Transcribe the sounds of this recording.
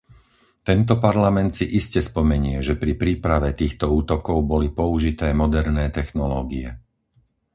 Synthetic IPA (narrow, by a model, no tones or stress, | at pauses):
t̪ɛnt̪ɔpaɾlamɛnt̪siʔiscɛspɔmɛɲʊɛʒɛpɾipɾiːpɾaʋɛt̪iːxt̪ɔuːt̪ɔkɔʊbɔlipɔuʒit̪ɛːmɔd̪ɛɾnɛːt̪ɛxnɔlɔːɡiɛ